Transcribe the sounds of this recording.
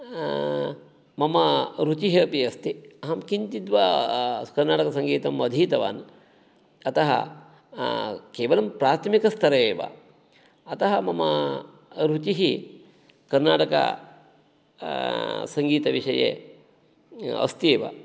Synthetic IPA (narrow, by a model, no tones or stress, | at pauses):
mɐmɐɾut͡ʃiɦɐːpiɐst̪iɐɦɐmkint̪id̪ʋakɐɾnaːʈɐkɐsɐŋɡiːt̪ɐmʋɐd̪ʱiːt̪ɐʋa̰ːn | ɐt̪ɐɦɐ̰ | keːʋɐlɐmpɾaːt̪ʰɐmikɐst̪ʰɐɾɐeːʋɐ̰ | ɐt̪ɐɦɐmɐmɐ | ɾut͡ʃiɦi | kɐɾnaːʈɐkɐ̰ | sɐŋɡiːt̪ɐʋiʂɐjḛ | ɐ̰st̪ieːʋɐ̰